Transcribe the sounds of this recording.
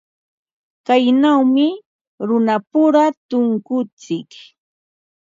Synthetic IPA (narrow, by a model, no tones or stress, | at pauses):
kajnawmɪ | ɾʊnapʊɾat̪ʊŋkʊt͡sɪk